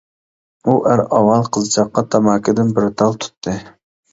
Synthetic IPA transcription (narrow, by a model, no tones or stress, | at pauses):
uʔæɾɑwɑlˠqʰəzt͡ʃʰɑqːɑt̪ʰɑmɑːkʰʲɪd̪ɪnbɪɾt̪ʰɑlˠt̪ʰu̥t̪ʰːɨ